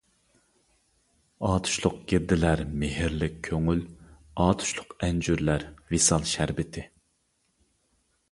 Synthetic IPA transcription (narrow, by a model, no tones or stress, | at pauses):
ɑːt̪ʰu̥ʃlˠʊq̚ɡʲiɾd̪ɪlæɾmɪhɪɾlɪk̚ʲʰːøŋyl | ɑːt̪ʰu̥ʃlˠʊqɛnd͡ʒyɾlæɾvesɑlˠʃæɾbɪt̪ʰɪ